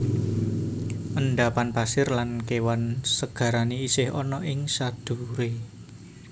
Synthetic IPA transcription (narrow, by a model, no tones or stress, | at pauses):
ʔənɖapanpasɪrlankewansəɡ̥ä̤ɾaniisɪhɔnɔʔɪŋsad̪̥ṳɾe